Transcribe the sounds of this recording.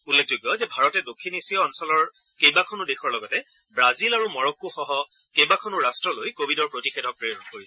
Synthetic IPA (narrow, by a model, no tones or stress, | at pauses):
ulːek̚d͡ʒojɡjɔzɛbʱaɹɔtɛdokʰːinisiɔːnsɔlɔɹ | kejbakʰɔnʊdexʰɔɹlɔɡɔtɛ | bɹazilaɹumɔɹɔkːuxɔɦɔ | kejbakʰɔnʊɹastɹɔlojkobʱidɔɹpɹotixedʱɔk̚pɹejɔdkoɹisɛ